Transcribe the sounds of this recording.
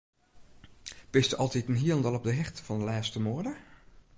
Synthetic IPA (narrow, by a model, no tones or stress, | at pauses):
b̥ɪstəʔɑlˠtitənɦiəlˠəndəlˠɔp̚dəɦɪxtv̥ɔndəlaːstəmoəɹdə